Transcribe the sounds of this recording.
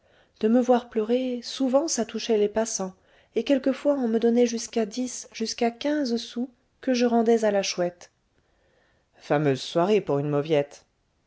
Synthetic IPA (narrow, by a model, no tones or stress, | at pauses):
d̪̥əməvwaʁplœʁesuvɑ̃sat̪uʃɛlepasɑ̃ | ekʲɛlkəfwaɔ̃məd̪ɔnɛʒyskad̪isʒ̥yskakʲɛ̃zsu | kəʒəʁɑ̃d̪ɛzalaʃwɛt̪ | famøzswaʁepuʁynmɔvjɛt̪